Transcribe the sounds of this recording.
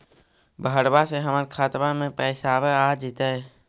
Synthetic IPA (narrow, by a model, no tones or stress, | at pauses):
bʱəəɽbaseɦəmaɾkʰaːt̪mamẽpɛːsaʋead͡ʒit̪aɛ